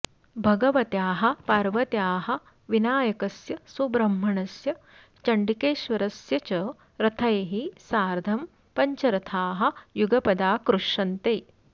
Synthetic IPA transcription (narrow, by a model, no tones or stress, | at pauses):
bʱɐɡɐʋɐt̪jaːɦɐ̆paːɾʋɐt̪jaːɦɐ̆ | ʋinaːjɐkɐsjɐsubɾɐmɦɐɳɐsjɐ | t͡ʃɐɳɖikeːʃʋɐɾɐsjɐt͡ʃɐ | ɾɐt̪ʰɐjɐɦisaːɾd̪ʱɐm | pɐɲt͡ʃɐɾɐt̪ʰaːɦɐ̆juɡɐpɐd̪aːkɾuʂɐnt̪eː